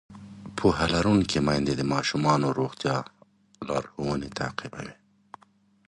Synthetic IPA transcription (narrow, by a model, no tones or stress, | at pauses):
pʰoɦalaɾuŋkemajnd̪ed̪əmɑːʃumɑːnoɾoxt̪jɑː | lɑːɾhowənet̪ʰa̰ːqɪba̰wi